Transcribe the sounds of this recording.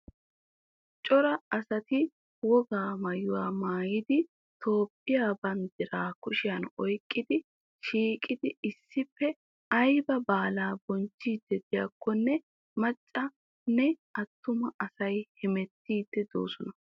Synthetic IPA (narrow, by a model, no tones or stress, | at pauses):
t͡ʃʼɔɾɐɐsɐt̪ɪ | wɔɡaːmɐjʊwaːmaːjɪd̪ɪ | t̪ʰo̞ːpʼːɪjaːbɐnd̪ɪɾaːkʊʃɪjɐnɔjkʼːɪd̪ɪ | ʃiːkʼːɪd̪ɪɪsːɪpːɛ | ɐjbɐbaːlaːbɔnt͡ʃːiːd̪̥ːɛd̪ɪja̰kːɔnːɛ | mɐt͡ʃʼːɐ | nɛ | ɐt̪ːʊmɐʔɐsɐjhɪmɛt̪ːiːd̪̥ːɛd̪o̰ːsɔnɐ